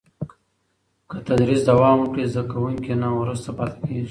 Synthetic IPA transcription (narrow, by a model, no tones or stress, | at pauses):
kət̪ad̪ɾisd̪awɑːmukɽizd̪akawuŋkenawɾust̪apɑːt̪akeɡii